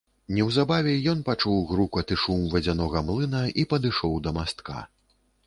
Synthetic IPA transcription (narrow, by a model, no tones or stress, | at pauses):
nʲɛwzabavʲɛjɔnpat͡ʂuwɣɾukɐt̪ɨʂumvʲɛd͡zʲanɔɣɐmlˠɨnɐʔipɐd̪ɨʂɔwd̪ɐmast̪ka̰